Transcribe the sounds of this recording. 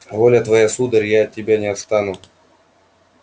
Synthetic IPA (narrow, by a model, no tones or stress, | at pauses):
volʲət̪vɐjasud̪ərʲjaɐt̪̚ʲːɪbʲanʲɪɐt̪st̪anʊ